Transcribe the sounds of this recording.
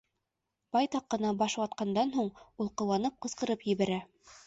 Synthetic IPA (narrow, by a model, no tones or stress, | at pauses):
b̥ɑjt̪ɑqːɤ̆nɑbɑʃwɑt̪̚qɑnd̪ɑnɦuɴulˠqɤ̆wɑnɤp̚qɤ̆sqɤ̆ɾɤpjɘ̆βæɾæ